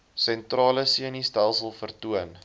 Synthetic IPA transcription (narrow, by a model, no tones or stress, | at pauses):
sɛntrɑːləsiənistælˠsəlˠfərtuən